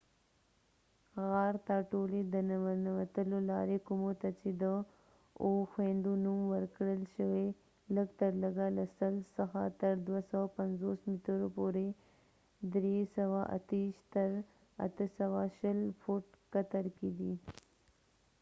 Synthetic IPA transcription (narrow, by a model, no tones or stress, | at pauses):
ɣɑɾt̪ɑʈoled̪ənanawat̪əlolɑ̰ɾekumot̪at͡ʃed̪ə | oxwend̪unumwəɾkɽəlʃəwe | ləɡt̪əɾləɡalasəlsəxa̰t̪əɾd̪wasawapanzosmit̪əɾopoɾe | d̪ɾesəwaʔa̰t̪iʃt̪əɾ | a̰t̪əsawaʃəlfuʈkat̪aɾked̪i